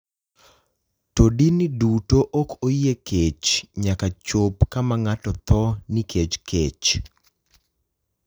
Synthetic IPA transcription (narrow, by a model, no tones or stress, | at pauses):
todinidutoʔɔkʰojekʰet͡ʃɲakat͡ʃopkamaŋatɔt̪ɔnikʰet͡ʃkʰet͡ʃ